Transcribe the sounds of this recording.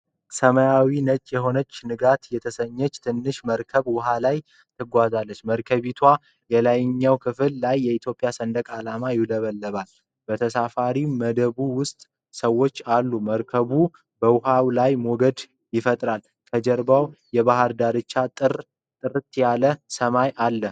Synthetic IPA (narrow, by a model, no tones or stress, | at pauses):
səməjawinət͡ʃʼjɛɦo̞nət͡ʃːnɨɡat̪jɛt̪ʰəsəɲːɛt͡ʃːt̪ʰɨnːɨʃməɾkʰəβwʊɦalaj | t̪ʰɨɡʷazalːət͡ʃːməɾkʰəβit̪ʰwa | jɛlajɪɲːawkʰɨfɨlːajːɛit̪ʰjo̞pʼːjasənd̪əkʼalamajɪləβəlːəβal | bət̪ʰəsafaɾiməd̪əβuwʊst̪ʼ | səwo̞t͡ʃːalːuməɾkʰəβu | bəwʊɦawlajmoɡəd̪ | jɪfət̪ʼɾal | kʰəd͡ʒəɾbawjɛβaɦɨɾd̪aɾɨt͡ʃːat̪ʼɨr | t̪ʼɨɾɨt̪ːjaləsəmajʔalːə